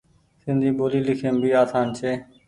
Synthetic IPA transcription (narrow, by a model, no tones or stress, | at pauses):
sɪ̃nd̪ʱiːɓoːliːlɪkʰeːnbʱiːaːsaːnt͡ʃʰeː